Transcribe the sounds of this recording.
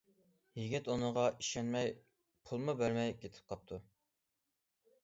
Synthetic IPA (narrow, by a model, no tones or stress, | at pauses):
jiɡʲɛt̪unɨʁɑiʃɛnmɛj | pʰulˠmubæɾmɛjkʲʰet̪ʰɪ̥p̚qʰɑp̚t̪ʰu